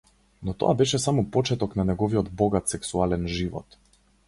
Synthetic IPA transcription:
nɔt̪ɔ̰abɛʃɛsamɔpɔt͡ʃɛt̪ɔknanɛɡɔviɔd̪bɔɡat̪sɛksualɛnʒivɔ̰t̪

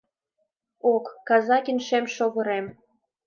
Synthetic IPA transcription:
okːɑzɑkinʃemʃoɣɤ̆ɾem

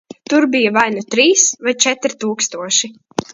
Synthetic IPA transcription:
t̪uɾbijavajnut̪ɾiːsvajt͡ʃɛt̪ɾt̪uːkst̪uɔʃi

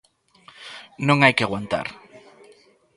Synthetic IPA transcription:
nõŋajkeaɣwant̪a̰ɾ

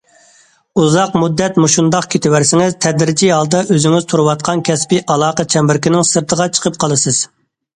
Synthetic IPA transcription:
uzɑqmud̪ːɛt̪muʃund̪ɑqkʲʰet̪ɪwæɾsɪŋɪzt̪ʰɛd̪ɾɪd͡ʒiɦɑlˠd̪ɑʔøzɪŋɪzt̪ʰuɾɨwɑt̪̚qʰɑnkʲʰɛspɪʔɑlˠɑːqət͡ʃʰɛmbɪɾkʲɪnɪŋsɨɾt̪ʰəʁɑt͡ʃʰə̥qʰəp̚qʰɑlˠɨsɨz̥

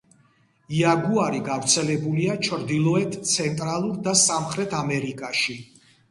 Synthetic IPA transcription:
iaɡuaɾiɡavɾt̪sʰɛlɛbuliat͡ʃʰɾd̪ilˠɔɛt̪ʰt̪sʰɛnt̪ʼɾalˠuɾd̪asamχɾɛt̪ʰamɛɾikʼaʃi

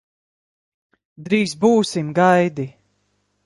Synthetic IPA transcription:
d̪ɾiːzbuːsimɡajd̪i

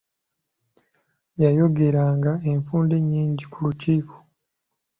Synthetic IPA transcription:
jajo̞ɡe̞ɾaːŋɡae̞ɱfuːnde̞ɲːiːɲɟikuluciːkʰo̥

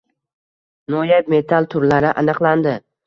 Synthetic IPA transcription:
nojabme̞t̪ʰalˠt̪ʰʊɾlaɾɪʔanɨqlˠand̪ɪ

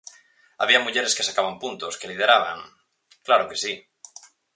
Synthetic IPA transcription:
a̰βiamuʝeɾeskesakaβampunt̪oskelið̞eɾaβa̰ŋ | klaɾokesi

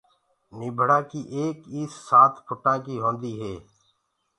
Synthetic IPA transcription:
niːbʱəɽãːkiːʔeːkiːsːaːt̪ʰpʰʊʈãːkiːɦõːnd̪iːɦeː

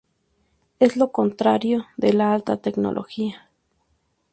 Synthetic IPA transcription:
eslokont̪ɾaɾjoðelaalt̪at̪ekno̰lʔo̰xia

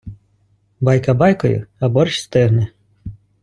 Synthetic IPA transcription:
bɑjkɐbɑjkɔjʊ̰ɐbɔɾʃʲst̪ɪɦnɛ

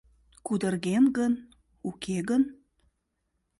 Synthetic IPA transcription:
kud̪ərɣenɡən | ukʰeɣən

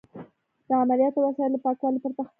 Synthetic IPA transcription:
d̪̥əamalijɑt̪owasɑjɪləpɑkwɑlopəɾt̪ax

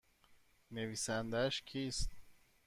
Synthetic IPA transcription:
ne̞viːsænd̪æʃcʰiːst̪̚

